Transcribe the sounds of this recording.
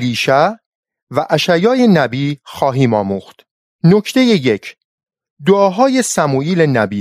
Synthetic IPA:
liːʃæ | væʔæʃæjɒːje̞næbiːxɒːɦiːmɒːmuːxt̪ | nocʰt̪e̞je̞je̞cʰ | d̪oɒːɦɒːje̞sæmuːiːlenæbiː

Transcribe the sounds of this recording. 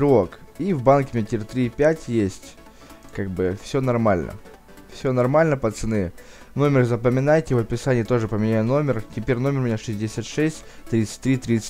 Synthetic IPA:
ɾokivbankʲɪmʲɪmʲtʲɪɾʲt̪ɾʲipʲætʲjesʲtʲ | kaɡ̚bɨfsʲonɐrmalʲnʔə̰ | fsʲon̪ɐrmalʲnəpət̪sɨnɨ | no̞mʲɪrzəpəmʲɪnajtʲɪvəpʲɪsanʲɪjət̪o̞ʐɨpəmʲɪnʲajʊno̞mʲɪrtʲɪpʲeɾʲno̞mʲɪrʊmʲɪnʲaʂɨzʲdʲɪsʲat̪ʂɛsʲtʲt̪ɾʲit̪sɨ̥tʲt̪ɾʲit̪ɾʲit̪sɨ̥

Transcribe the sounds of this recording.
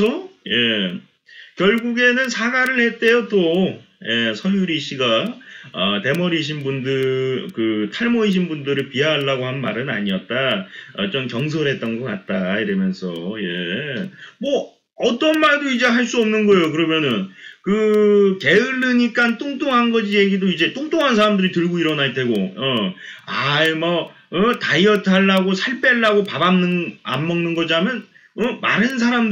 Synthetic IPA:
ʌje̞ | kjʌɭɡuɡe̞nɯnsʰaɡaɾɯɭhe̞t͈e̞jot͈o | je̞sʰʌjuɾiɕ͈ʰiɡaʌte̞mʌɾiɕ̬ʰinbundɯkɯtʰaɭmʌiɕ̬ʰinbundɯɾɯɭpiaɭːaɡohanma̰ɾɯna̰ɲiʌt̚t͈aʌ̰t͡ɕomkjʌŋs̬ʰʌɾɦe̞t̚t͈ʌnɡʌk͈at̚t͈aiɾʌmjʌnsʰʌje | mwʌ | ʌt͈ʌnmaɭdoid͡ʑe̞ɦaɭs͈uʌmnɯnɡʌejokɯɾʌmjʌnɯnkɯke̞ɯɭːɯɲik͈ant͈oŋt͈oŋɦanɡʌd͡ʑije̞ɡidoid͡ʑe̞t͈oŋt͈oŋɦansʰaɾamdɯɾitɯɭɡoiɾʌnaɭt͈e̞ɡoʌ | aemʌ | ʌtaiʌtʰaɭːaɡosʰaɭp͈e̞ɭːaɡopabamnɯnamːʌŋnɯnɡʌd͡ʑamjʌn | ʌma̰ɾɯns̬ʰaɾam

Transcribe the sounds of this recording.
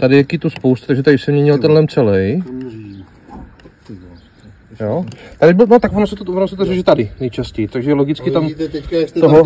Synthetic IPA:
t̪adɪjakit̪uspowst̪ut̪aɡʒɛt̪adɪsɛmɲɛɲɪlt̪ɛnlɛmt͡sɛlɛj | joːt̪adɪbnot̪akvonosɛt̪vonosɛt̪oɾɛʒɛt̪adɪnɛjt͡ʃascɛjt̪aɡʒɛloɡɪt͡skɪt̪am | oɦo

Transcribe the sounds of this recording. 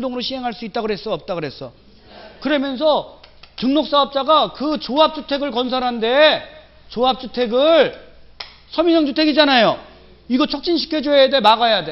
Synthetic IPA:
doŋɯɾoɕʰiɦe̞ŋɦaɭs͈uit̚t͈aɡoɾɦe̞s͈uʌp̚t͈aɡoɾɦes͈ʌ | kɯɾʌmjʌns̬ʰʌtɯŋnok̚s͈aɦʌp̚t͡ɕ͈aɡakɯt͡ɕoɦap̚t͡ɕ͈ʰutʰe̞ɡɯɭkʌns̬ʰaɾɦande̞ | t͡ɕoɦap̚t͡ɕ͈utʰe̞ɡɯɭ | sʰʌmisʰʌŋd͡ʑʰutʰe̞ɡid͡ʑanajo | iɡʌt͡ɕʰʌk̚t͡ɕ͈inɕʰi̥kʰed͡ʑoɦeedeɦemaɡajade

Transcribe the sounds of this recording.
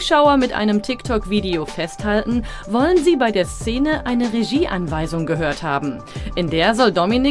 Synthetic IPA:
ʃaʊɐmɪtʔa̰ɪnəmtʰɪktʰɔkv̥iːdeofɛsthaltn̩ | vɔlənziːbaɪdeːɐst͡seːnəʔaɪnəʁeʒiːʔanvaɪzʊŋɡəɦøːɐtha̰ːbm̩ | ʔɪndeːɐzɔldɔminɪ

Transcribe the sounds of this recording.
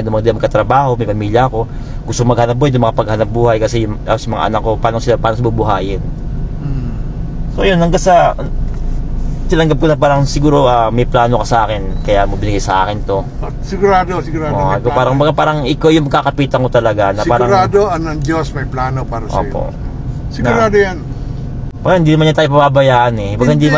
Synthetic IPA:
d̪ʊmɐŋd̪ɪmɐɡkːɐt̪ɾɐbaːho̞mɐjpɐmiːljɐɐko̞ | ɡʊst̪oŋmɐɡhɐnɐp̚bojd̪ʊŋmɐkɐpɐɡ̚hɐnɐp̚buːhɐjkɐsɛjʊŋasjʊmɐŋa̰ʔɐ̰nɐkːo̞paːnosɪlapaːnosɐbubʊɦaːjɪn̩ | sojonhɐŋɡasɐ | t̪ɪnɐŋɡɐp̚konɐpaːɾɐŋsɪɡuːɾo̞ʔamɐjplaːnokɐsɐʔaːkɪnkɐjamɐbɪnɪɡajsɐʔaːkɪnt̪o̞ | sɪɡʊɾaːd̪osɪɡʊɾaːd̪akopaːɾɐŋbɐɡapaːɾɐŋɪkawjʊŋmɐkːakɐpiːt̪ɐŋot̪ɐlɐɡanɐpaːɡɾɐɾaːd̪oɐŋnɐŋd͡ʒosmɐjplaːnopaːɾɐʔso̰ːpo̰ʔ | sɪnaʊ̰ɾaːd̪ojan | bɐɡahɪnd̪inɐmanɲat̪aːjop̬ɐbabɐjaːʔanɛbɐɡahɪnd̪i

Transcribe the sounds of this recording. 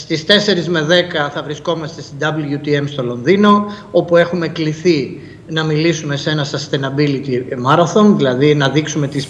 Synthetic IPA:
st̪ist̪e̞se̞ɾizme̞ðekɐθɐvɾisko̞mɐst̪est̪id̪ɐblʝut̪ie̞mst̪o̞lo̞nðino̞o̞pue̞xume̞kliθi | nɐmilisume̞se̞nɐsɐst̪enɐbilit̪imɐɾɐθo̞nðilɐðinɐðiksume̞t̪is

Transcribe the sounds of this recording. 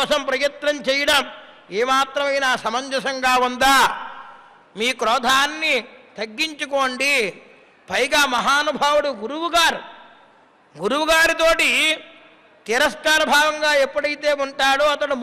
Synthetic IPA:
ɔːsɐmpɾɐjɐt̪ɾɐmt͡ʃɛːjɐɽɐm | eːmaːt̪ɾɐmɐjnaːsɐmɐɲd͡ʒɐsɐŋɡaːund̪aː | miːkɾɔːd̪ʱaːnːit̪ɐɡːiɲt͡ʃuko̞ːɳɖi | pʰɐjɡaːmɐɦaːnubʱaːʋuɽuɡuɾuwuɡaːɾu | ɡuɾuwuɡaːɾit̪o̞ːʈi | t̪iɾɐskaːɾɐbʱaːɡɐŋɡaːepːɐɽɐjt̪eːuɳʈaːɽoːɐt̪ɐɽum

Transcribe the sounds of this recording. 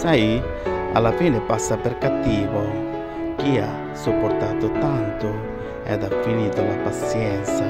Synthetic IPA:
saji | a̰lːafiːnepasːaperkat̪ːiːvo | k̟ia | sːupːort̪aːt̪ʊt̪ant̪ʊ | ɛ̰d̪afːiniːt̪ʊlapasjɛnt̪sa

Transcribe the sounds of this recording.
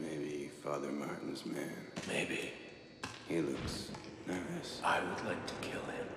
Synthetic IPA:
meɪbifɑðə˞mɑɹʔn̩zmæ̃nmeɪbi | hilʊksnaɪsaɪwɨdˡlaɪk̚tʰɨ̥kʰɪlˠɪ̃m

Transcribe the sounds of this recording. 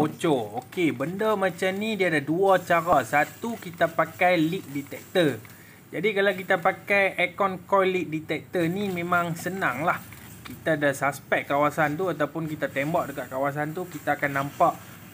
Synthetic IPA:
ot͡ʃookebəndəmãt͡ʃamnidiadaduat͡ʃaɾasat̪ukit̪apakajlik̚dit̪ɛk̚t̪ə | d͡ʒadikalawk̬it̪apakajʔekɔnkɔjlik̚dit̪ɛk̚t̪ənimẽmãŋsənaŋlah | kit̪adasaspɛk̚kawasant̪uat̪awpʊnkit̪at̪embaʔ̚dəkaʔ̪̚kawas̬ant̪̬ukit̪aːkanːãmpaʔ

